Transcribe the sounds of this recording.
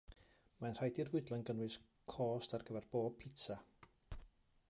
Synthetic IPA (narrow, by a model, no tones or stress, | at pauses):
manr̥ajdirvʊɨdlˠanɡənwɨs | kʰɔːstarɡəvɛrb̥oːb̚pʰɪtʰa